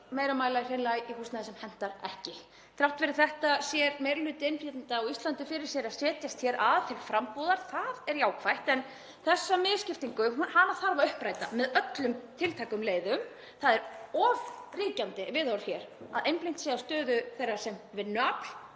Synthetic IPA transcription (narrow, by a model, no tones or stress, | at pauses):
meːjɾamaːjlar̥ɛnlajihust̪naðɪsɛmhɛn̥t̪aɾɛhcɪ | θʰɾawht̪vɛɾɪ̥θɛht̪asjɛɾmejɾlʏːt̪ɛnfjɛt̪ɪnt̪aɔist̪lant̪ʏfɪɾɪɾ̥sjɛɾaðsɛːt̪jast̪çɛɾʔaðt̪ʰɪlfɾampɔwðaɾ̥θaðɛɾjaːwkʰvajht̪ɛn | θɛsːamɪðscɪft̪iŋkʏhanːaθaɾvaʏhpɾaːjt̪amɛðœt̪lʏmt̪ʰɪlt̪ʰajkʏmleːjðʏm | θaðɛɾɔvriːcant̪ɪvɪðawɾ̥çɛɾa̰ðʔejmpliŋ̥t̪seːðast̪œːðʏθejrːḁsɛmvɪnːʏap̪l̥